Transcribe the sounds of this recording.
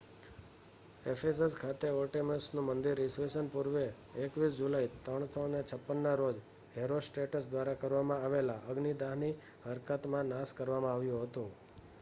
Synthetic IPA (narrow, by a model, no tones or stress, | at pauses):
efʰeseskʰat̪eoʈeməsnũmənd̪iɾːisʋesənpuɾʋeː | kʋis̬d͡ʒulait̪ɾəɳ̃sʰənet͡ʃʰəpːənːaɾod͡ʒ | ɦeɾosʈeʈəs̬d̪ʋaɾakəɾʋamãaʋelaʔəɡnid̪aɦni | ɦəɾkət̪mãnaskəɾʋamãaʋjũɦət̪ũ